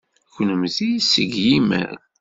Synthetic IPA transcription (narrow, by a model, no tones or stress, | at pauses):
çʷənəmθisəɡjimæ̰ɾ